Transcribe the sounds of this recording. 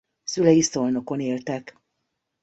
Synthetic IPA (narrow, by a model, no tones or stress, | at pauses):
sylɛjist̪o̞lno̞ko̞neːlt̪ɛk